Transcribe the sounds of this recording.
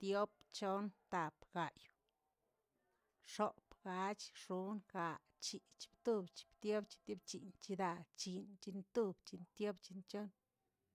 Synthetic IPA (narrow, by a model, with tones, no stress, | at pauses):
t̪jo˦pt͡ʃo˦nt̪a˨pɡ̥a˨j | ʂo˨pɡa˧t͡ʃʂu˦nka˨ | t͡ʃi˨t͡ʃi̥˧bt̪u˦bt͡ʃi̥˧˨bt̪jo˦bt͡ʃi̥˧t̪jo˦bt͡ʃi˨nt͡ʃi˧d̪a˧t͡ʃi˧nt͡ʃi˧nt̪u˦bt͡ʃi˧nt̪jo˦bt͡ʃi˧nt͡ʃo˦n